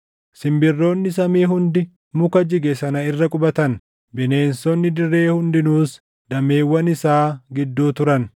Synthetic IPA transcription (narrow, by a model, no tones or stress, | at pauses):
sɪmbɪrːo̞ːnːɪs̬ɐmiːɦʊnd̪ɪ | mʊkɐd͡ʒɪɡɛsɐnɐɪrːɐkʼʊbɐt̪ɐn | bɪne̞ːnsɔnːɪd̪ɪrːe̞ːhʊnd̪ɪnuːs | d̪̥ɐme̞ːwːɐnɪsaːɡɪd̪ːuːt̪ʊɾɐn